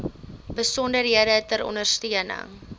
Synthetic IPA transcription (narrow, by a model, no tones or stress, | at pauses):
b̥əsɔndərɦiədətəɾɔ̰nərstiənə̰ŋ